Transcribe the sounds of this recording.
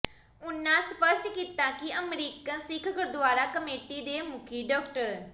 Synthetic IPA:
ʊnːãːsəpəsʈkiːt̪ãːkɪəmɾiːkə̃nsɪkʰkəɾd̪ʊaːɾaːkəmeːʈiːd̪eːmʊkʰiːɖɔːkʈəɾ

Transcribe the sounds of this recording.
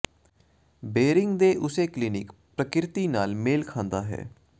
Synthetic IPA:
beːɾɪŋɡd̪eːʔʊseːklɪːnɪkpɾəkɪɾt̪iːnaːlmeːlkʰãːnd̪aːɦɛ̰ː

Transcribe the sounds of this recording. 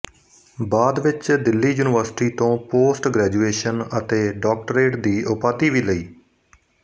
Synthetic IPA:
baːd̪ʋɪt͡ʃd̪ɪlːiːjuːnɪʋəɾsɪ̥ʈiːt̪õːpoːsʈɡɾɛːd͡ʒuːeːʃənət̪eːɖɔːk̚ʈəɾeːʈd̪iːʔʊpaːt̪iːʋiːləiː

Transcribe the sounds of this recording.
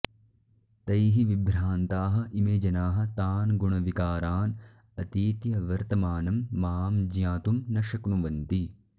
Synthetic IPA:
t̪ɐjɦiʋibɾaːnt̪aːɦɐ̆ʔimeːd͡ʒɐnaːɦɐ̆t̪aːnɡuɳɐʋikaːɾaːn | ɐt̪iːt̪jɐʋɐɾt̪ɐmaːnɐmːaːmd͡ʒjãːt̪umnɐʃɐknuʋɐnt̪i

